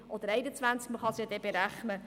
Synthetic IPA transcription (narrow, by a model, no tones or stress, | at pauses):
ʔɔd̪əɾɛɪnət͡svænt͡sk̚məχɑsjɑd̥̪ɛb̥eɾæχnə